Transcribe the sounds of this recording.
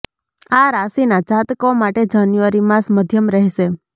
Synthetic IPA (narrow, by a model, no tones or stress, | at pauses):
aɾasinad͡ʒat̪komaʈed͡ʒanjuʋəɾimãsməd̪ʱjəmɾəɦʃe